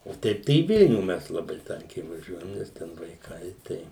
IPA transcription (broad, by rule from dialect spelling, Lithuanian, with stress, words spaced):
oː ˈtʲɛɪp tɐɪ iː ˈʋʲɪlʲnʲuː ˈmʲɛs lˠɐˈbɐɪ ˈtɐŋʲkʲɛɪ ʋɐˈʒʲuɔjɛm ˈnʲɛs tʲɛn ʋɐɪˈkɐɪ ˈtɐɪ